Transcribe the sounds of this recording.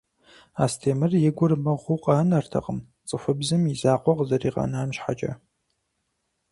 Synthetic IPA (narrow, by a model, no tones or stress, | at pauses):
aːstʰeːmɨrjɪɡʷʊrmɐʁʷʊqʼɑːnɐrtʰɐ̰qəm | t͡sʼɨfɨbzɨmizaːqʷɔqzɐriːqɐ̰naːmɕħa̰t͡ʃʼɐ̰